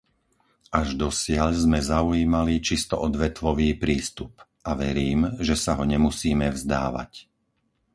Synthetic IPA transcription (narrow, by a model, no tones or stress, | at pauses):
aʒd̪ɔsɪaʎzmɛzauiːmalit͡ʃist̪ɔʔɔd̪ʋɛt̪ʋɔʋiːpɾiːst̪up | aʋɛɾiːmʒɛsaɦɔɲɛmusiːmɛvzd̪a̰ːʋa̰c